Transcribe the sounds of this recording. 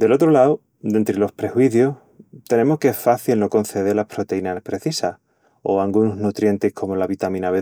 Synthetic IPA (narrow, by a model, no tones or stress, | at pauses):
d̪e̞lo̞t̪ɾolaw | d̪e̞nt̪ɾelo̞spɾe̞xwiθjoh | t̪e̞nẽ̞mohkeesfaθilno̞ko̞n̟θe̞ð̞elahpɾo̞t̪e̞inapɾe̞θisah | o̞̰aŋɡunoznut̪ɾje̞nt̪ehkʰo̞mo̞laβit̪amĩnaβe